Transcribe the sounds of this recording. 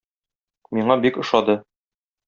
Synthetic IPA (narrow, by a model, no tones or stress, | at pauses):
miɴɑbikɤ̆ʃɑd̪ɤ